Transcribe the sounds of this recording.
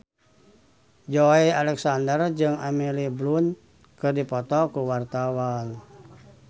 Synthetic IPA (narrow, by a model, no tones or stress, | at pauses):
d͡ʒoialɛksandərd͡ʒɨŋamiliblun | kɨrdipɔt̪ɔkuwart̪awan